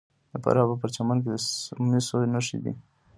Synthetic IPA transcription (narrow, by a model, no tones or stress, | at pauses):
d̪əpa̰ɾɑbap̬əɾt͡ʃamank̬ed̪əmisonaʃḭd̪ḭ